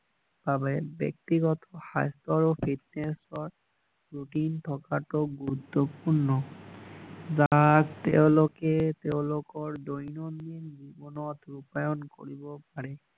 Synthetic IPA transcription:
b̥abɛbɛ̰k̚t̪iɡɔt̪ɔxa̰jst̪ɔɹɔpʰitnesɔɹ | ɹuʈintʰɔkatɔɡuɹut̪ːɔpuɹnɔ | zaktɛ̰ʊ̃lokɛt̪eʊ̃lokɔɹdojnɔnːinzibɔnɔtɹupajɔnko̰ɹibɔpaɹɛ

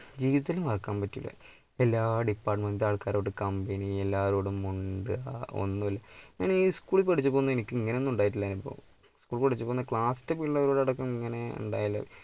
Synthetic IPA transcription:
d͡ʑiːʋiðɐilumɐrɐkːaːmpɐtːilːɐ̰ | elːaːɖipːaːrʈmend̪aːɭkaːɾoːɽɨkɐmbenielːaːʋɐɾoːɽumuɳɖɨao̰nːuɐlːɐɲaːniːskuːɭpɐʈit͡ɕːupoːunːɐenikʲːɨiŋːɐneo̞nːuɳɖaːjiʈ̬ːilːɐinipːo̰ | skuːɭpɐʈit͡ɕːupoːnːɐkɭaːstːɐpiɭːɐʋɐɾoːɽɐɽɐkːɐmiŋːɐne̞ṵɳɖa̰ːjilːɐ̰

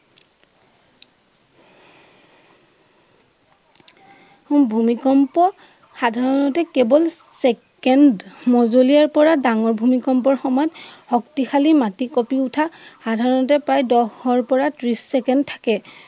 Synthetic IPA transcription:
ubʱumikɔmpɔ | xadʱaɹɔnɔtɛkebɔlsɛkkɛndmɔzolijaɹpɔɹadaŋɔɹbʱumikɔmpɔɹxɔmɔjɔthɔktixalimatikɔpiʊtʰaxadʱaɹɔnɔtɛpɹajdɔhɔɹpɔɹatɹisːɛkɛndtʰḁkɛ

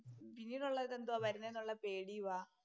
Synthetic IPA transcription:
pinːiːnuɭːɐðend̪oʋɐɾunːɐnːuɭːɐpeːɽijuʋaː

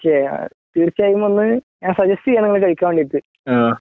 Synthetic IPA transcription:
ot͡ɕːḛ | t̪iːɾit͡ɕːaːjumonːɨɲaːnsɐd͡ʑɐstijaːniŋːɐɭekɐɻikʲːaːmʋeɳɖiit̪ːɨ | aː

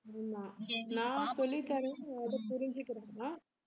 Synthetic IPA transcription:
ɾnãːnãːsɔlːɪt̪ːaːɾẽɐðɯpʊɾɪɲd͡ʒɯkːɪɾẽːnaː

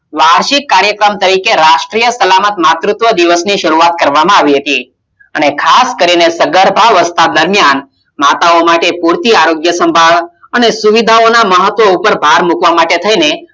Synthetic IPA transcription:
ʋaɽʃikːaɾjəkɾəmt̪əɾikeɾaʃʈɾijəsəlamət̪mat̪ɾut̪ʋəd̪iʋəsniʃəɾuat̪̚kəɾʋamãaʋiɦət̪i | ənekʰaskəɾinesəɡəɾbʱaʋəst̪ad̪əɾmjan | mat̪aomaʈepuɾt̪iaɾoɡjəsəmbʱaɭ | ənesuʋid̪ʱaonaməɦət̪ʋoupəɾbʱaɾmukʋamaʈet̪ʰəine

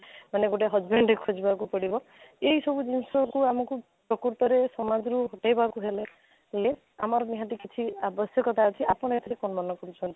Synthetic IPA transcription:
maneɡoʈeɦɔzbeɳɖekʰɔd͡ʒibakupɔɽibɔ | eɦisɔbud͡ʒinsɔkuamɔku | pɾɔkuɾt̪ɔɾesɔmad͡ʒɾuɦɔʈajbakuɦele | le | a̰mɔɾɔniɦãt̪ikit͡ʃʰiabɔsjɔkɔt̪at͡ʃʰiʔapɔɽ̃ɔet̪ʰeɾekɔnɔmanɔkɔɾut͡ʃʰɔnt̪i̥

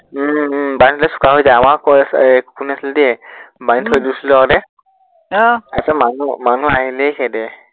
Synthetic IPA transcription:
bajntʰɔlasu̥kaɦojzaamaɹkɔkkunasildɛbajntʰojdusiladɛ | asamanumanuaɦilɛkʰɛdɛ

